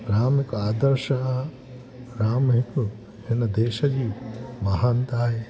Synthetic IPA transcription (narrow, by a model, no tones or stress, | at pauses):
ɾaːmikaːd̪ɐɾʃɐ | ɾaːmɦiku | ɦenɐd̪eːʃɐd͡ʒiːmɐɦant̪aːɦe